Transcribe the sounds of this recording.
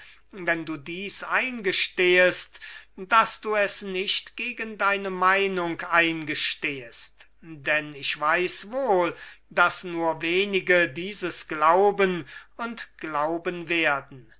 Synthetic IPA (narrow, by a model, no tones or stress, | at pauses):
vɛnduːdiːsʔaɪnɡəʃteːəstd̥asd̥uːɛsnɪʃtɡ̥eːɡəndaɪnəmaɪnʊŋkaɪnɡəʃteːəst | dɛnɪçv̥aɪsvoːld̥asnuːɐveːnɪɡədiːzəsɡ̥laʊbənʊntɡ̥laʊbənveːɐdn̩